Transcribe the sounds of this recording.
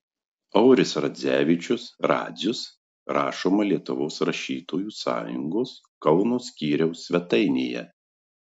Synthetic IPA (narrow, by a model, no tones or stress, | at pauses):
ɒʊɾʲɪsɾɐd̪zʲæːʋʲɪt͡ʃʲʊsɾɑ̰ːd̪zʲʊs | ɾɑːʃoːmɐlʲiɛt̪ʊʋoːsɾɐʃʲiːt̪oːjuːsɑ̰ːjʊ̰ŋɡoːs | kɐʊnoːsʲkʲiːɾʲɛʊsʲʋʲɛt̪ɐɪnʲḛːjɛ̰